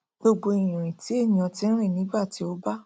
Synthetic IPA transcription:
ɡo˧ɡ͡bo˧i˨j̃ũ˨ɾ̃ĩ˨ti˨˦ẽ˦˨ɔ̃˧tĩ˧˦n̩˦ɾ̃ĩ˦˨nĩ˨˦ɡ͡ba˦˨ti˨˦o˦ba˦

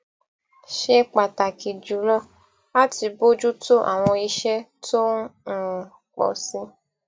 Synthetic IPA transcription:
ʃɛ˦k͡pa˨ta˨ki˨d͡ʒu˨lɔ˦ | a˦ti˧bo˦d͡ʒu˦to˦ʔa̰˨w̃ɔ̃˧i˧ʃɛ˦tʰõ˦˨ | k͡pɔ̰˨sĩ˧

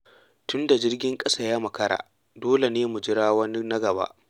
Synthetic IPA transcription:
tʊ˦nda˨d͡ʒɪ˦rɡʲɪ˦ŋkʼɐ˦sa˦˨jaː˦mɐ˨kɐ˦ɽa̰ː˨ | doː˦le˨neː˦mu˨d͡ʒɪ˦ɽaː˦wɐ˦n˦na˦ɡɐ˨ba̰ː˦ʔ

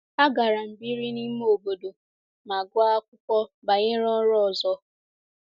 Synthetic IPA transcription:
a˦ɡa˨ɾa˨m̩˨bi˦ɾi˦ni˦m˦o˨bo˨do˨ | ma˨ɡʷa˦a˦kʷʊ˦kʷɔ˦ba˨ɲɪ˦ɾɔ˦ɾɔ˦˨zɔ˦

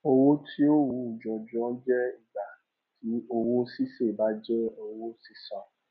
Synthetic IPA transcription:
o˧wo˦tʰi˦o˦wũ˨˧˦d͡ʒɔ˨d͡ʒɔ̃˨˦d͡ʒɛ˦i˨ɡ͡ba˨ | tʰi˨˦o˧wo˦si˦se˦˨ba˨˦d͡ʒɛ˦o˧wo˦si˦sã˨

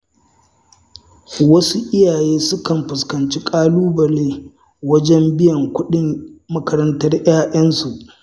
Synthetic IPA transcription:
wɐ˦su˦ʔɪ˦jaː˨jeː˦sʊ˦kɐ˨mɸʊ˨skɐ˨nt͡ʃi˦kʼaː˦luː˦bɐ˨leː˦ | wɐ˦d͡ʒɛ˦mbɪ˦jɐ˨ŋkʷʊ˦ɗɪ˦ŋmɐ˦kɐ˦ɾɐ˦ntɐ˦rj̰aː˦ʔɐ˦nsu˨ʔ

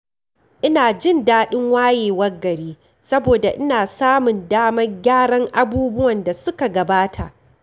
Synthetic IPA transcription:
ʔɪ˦naː˨d͡ʒɪ˦ndaː˦ɗɪ˦ŋwaː˦jeː˨wɐ˦rɡɐ˨ɾiː˦ | sɐ˦boː˨da˨ʔɪ˦naː˨saː˦mʊ˨ndaː˦mɐ˦rɡʲaː˦ɽɐ˦ŋʔa˨buː˦bʊ˦wɐ˨nda˨sʊ˦ka˨ɡɐ˨baː˦tʰa˨ʔ

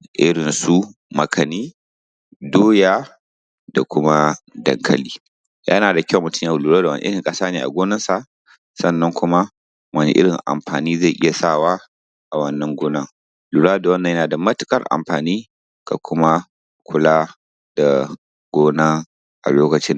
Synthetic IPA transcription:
ʔɪ˦ɽɪ˨nsu˦mɐ˨kʰɐ˨niː˦ | doː˦jaː˦ | d̥a˨kʷʊ˦ma˦dɐ˨ŋkʰɐ˨liː˦ | jʔɐ̰˦naː˨da˨kʲɐ˦˨mʊ˨tʊ˦mja˦˨lu˨ɾa˦da˨wɐ˦n̰˦ɪ˦ɽɪ˨ŋkʼɐ˦saː˦neː˨ʔa̰˨ɡʷoː˦nɐ˦nsa˨ʔ | sɐ˦˨nːɐ˦ŋkʷʊ˦ma˦ | wɐ˦nḛ˦ʔɪ˦ɽɪ˨ŋʔa̰˨mɸa̰ː˨niː˦ze˦˨ʔɪ˦ja˨sa˦˨waː˦ | ʔa˨wɐ˦nːɐ˦ŋɡʷʊː˦nɐ˦ŋ | luː˨ɽaː˦da˨wɐ˦nːɐ˨jɐ˦nː˨da˨mɐ˦tɪ˨kʼɐ˦rʔa̰˨mɸaː˨niː˦ | ka˨kʰʷʊ˦ma˦ | kʷʰʊ˦laː˦ | d̥a˨ | ɡ̥ʷoː˦na˦ | ʔa̰˨loː˦kɐ˨t͡ʃɪ˦n

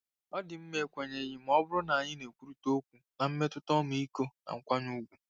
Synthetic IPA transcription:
ɔ˦dɪ˨m̩˦me˨kʷe˨ɲe˨ji˦m̩˦ɔ˦bʊ˦ɾʊ˦na˨a˨ɲɪ˦ne˨kʷu˦ɾu˨to˦kʷu˨na˨m̩˦me˦tʊ˦tɔ˦m̩˨i˦ko˦na̰˨ŋ̩˦kʷa˦ɲu˦ɡʷu˨

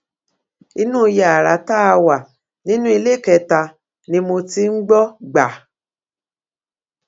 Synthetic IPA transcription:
i˦nũ˦˧ja˨a˨ɾa˨˦ta˦a˧wa˨ | nĩ˦nũ˦i˧le˦˨kɛ˧˨ta˧ | nĩ˧mo˧ti˧˦ŋ̩˦ɡ͡bɔ˦ɡ͡ba˨

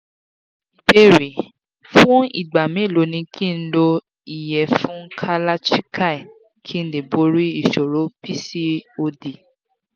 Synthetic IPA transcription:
i˨pe˧ɾi˨ | fũ˦ḭ˦˨ɡ͡ba˨mẽ˨˦˨lo˨˦nĩ˧kʰi˦˨n̩˦lo˧ | i˨jɛ˨fũ˦kʰa˧la˦t͡ʃi˦kʰa˦i˨ | kʰi˦n̩˦de˨bo˧ɾi˦i˨ʃo˨ɾo˨˦pi˦si˦o˧di˨

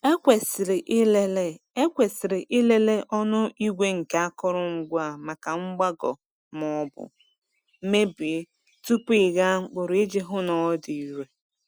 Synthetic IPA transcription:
e˦kʷe˨sɪ˨ɾɪ˨ʔle˦le˦e˦kʷe˨sɪ˨ɾɪ˨ʔɪ˦le˦le˦ʔɔ˦nʊ˦i˦ɡʷe˦ŋ̩˨ka˨a˦kɔ˦ɾʊ˦ŋ͡m̩˨ɡʷa˦˨ma˨ka˨ŋ͡m̩˦ɡ͡ba˦ɡɔ̰˨ | mɔ˨˦bʊ̰˨˦ | me˦bɪ˨˦ | tu˦pɪ˨ɣa˦ŋ͡m̩˨k͡pʊ˨ɾe˦d͡ʒe˦ɦʊ˦nɔ˨˦di˨i˦ɾe˦

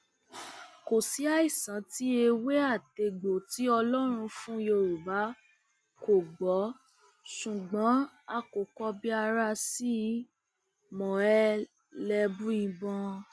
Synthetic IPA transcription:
ko˨si˨˦a˦i˦˨sã˨˦ti˦e˧we˦a˦˨te˧ɡ͡bo˨ti˨˦ɔ˧lɔ˦ɾ̃ũ˧fũ˦jo˧˨ɾu˨ba˨˦ | ko˨ɡ͡bɔ˨˦ | ʃũ˨ɡ͡bɔ̃˨˦ | a˦˨ko˨kɔ˧bi˦a˧ɾa˧si˦ | mɔ̃˨ɛ˧ | lɛ˧bũ˦ĩ˧bɔ̃˧

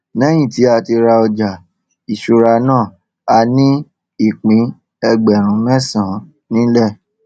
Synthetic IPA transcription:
nɛ̃˦j̃ĩ˦˨ti˨˦a˦˧˨ti˧ɾa˧ɔ˧d͡ʒa˨ | i˨ʃu˨˧ɾa˧nãː˦˨ | a˧nĩ˦ | i˦˨k͡pĩ˨˦ | ɛ˧ɡ͡bɛ˨ɾ̃ũ˨˦mɛ̃˦˨sã˨˦ | nĩ˦lɛ˦˨

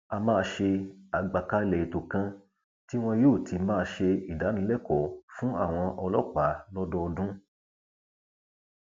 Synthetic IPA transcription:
a˧mãː˦˧ʃe˧a˨ɡ͡ba˨ka˧˦lɛ˨i˨to˨kã˧ | ti˦w̃ɔ̃˧joː˦˨tʰi˧mãː˦˧ʃe˧i˨da˨˦nĩ˧˦lɛ˦˨kɔ˨˦fũ˦a̰˦˨w̃ɔ̃˧ʔɔ˧lɔ˦˨k͡pa˨˦lɔ˦dɔ˧dũ˦

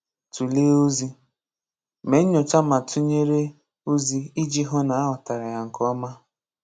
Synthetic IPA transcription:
tu˨le˦o˦zi˦ | me˨˦ɲ̩˦ɲɔ˨t͡ʃa˦ma˨tu˦ɲe˦ɾe˦ | u˦zi˦i˦d͡ʒi˦ɦo˦na˨a˦ɦɔ˨ta˨ɾa˨ja˨ŋ̩˨kɔ˦ma˦

